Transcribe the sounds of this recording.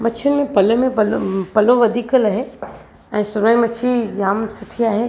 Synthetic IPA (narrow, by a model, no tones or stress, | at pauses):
mɐt͡ɕʰənɪ̆mẽpɐlmẽɐlpɐloʋɐd̪ʱiːkəlaːɦe | ɛ̃ːsʊnaːimɐt͡ʃʰid͡ʑaːmsɐʈʰiaːɦe